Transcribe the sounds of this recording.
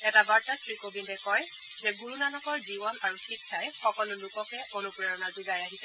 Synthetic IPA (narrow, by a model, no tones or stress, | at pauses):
ɛtabaɹtatʰɹikobintɛkɔj | zɛɡuɹunanɔkɔɹzibɔnaɹupʰikʰːajxɔkɔlʊlʊkɔkɛʔonupɹɛɹɔnazuɡajaɦisɛ